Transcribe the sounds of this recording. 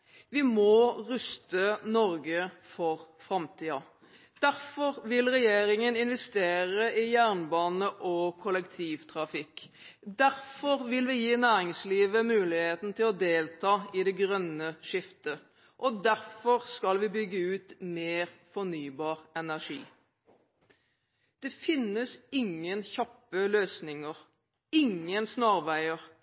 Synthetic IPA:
ʋɪmɔʁʉst̪ənɔɾɡəfɔɾfɾɑmt̪ʰiːɑ | d̪̥æɾfɔɾʋɪlʁɛjeːɾɪŋənɪnʋɛst̪eːɾəɪjæːʁnbɑːnəʔɔkʰɔlɛkt̪ʰiːʋt̪ʰɾɑfɪkː | d̪æɾfɔɾʋɪlʋɪjiːnæːɾɪŋsliːʋəmʉːlɪheːt̪n̩t̪ʰɪlɔd̪eːlt̪ʰɑːɪd̪ɛɡʁœnəʃɪft̪ə | ʔɔd̪æɾfɔʁskɑlʋɪbʏɡːəʉːt̪meːʁfɔnyːbɑːʁɛnæʂḭː | d̪̥ɛfɪnːəsɪŋːənçɑpːəløːsnɪŋəʁ | ɪŋːənsnɑːʁʋæɪəʁ

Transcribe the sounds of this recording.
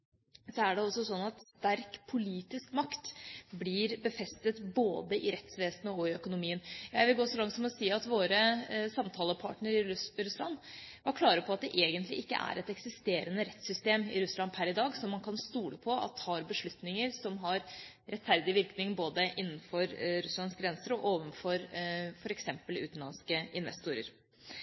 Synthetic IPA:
sɔæɖɛɔsːɔsɔnːɑt̪st̪æɾkpʰʊliːt̪ɪskmɑkt̪bliɾbəfɛst̪ət̪boːd̪əʔɪɾɛt̪sʋeːsnəɔɪœkʊnʊmiːənjæɪʋɪlɡoːsɔlɑŋt̪sɔmɔsiːɑt̪ʋoːɾəsɑmt̪ʰɑːləpʰɑ̰ːʈɳəɾɪɾʉslɑ̰nʋɑɾkʰlɑːɾəpʰɔɑt̪̚d̪ɛʔeːɡənt̪lɪ̰ʔɪkːə̰ʔæ̰ɾʔɛt̪ɛksɪst̪eːɾənəɾɛt̪sʏst̪eːmɪ̰ɾʉslɑnpʰæɾɪd̪ɑːɡsɔmːɑnkʰɑnst̪uːləpʰɔɑ̰t̪hɑɾbəʂɭʉt̪nɪŋəɾsɔmɦɑɾ | ɾɛt̪fæɾd̪ɪʋɪɾknɪŋboːd̪əʔɪnːn̩fɔɾɾʉslɑnskɡɾɛnsəɾɔʔoːʋənfɔɾfɔɾɛksɛmpəlʉ̰ːt̪n̩lɑ̰nskəɪnʋɛ̰st̪uːɾə̰ɾ

